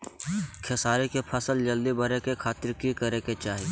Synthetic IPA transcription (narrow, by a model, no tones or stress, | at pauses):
kʰesaːɾikepʰəsəld͡ʒəld̪ibəɾekekʰaːt̪ɪɾkikəɾeket͡ʃaːɦi